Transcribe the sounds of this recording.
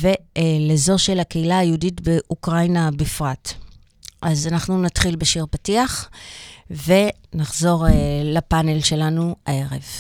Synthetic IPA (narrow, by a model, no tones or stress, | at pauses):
ve̞lezo̞ʃe̞lakeilaːjiuditbeʔukʁajnabifʁat | ʔazanaχnunatχilbeʃiʁpatiaχ | ve̞ | naχzo̞ʁelapanelʃe̞lanuae̞ʁe̞v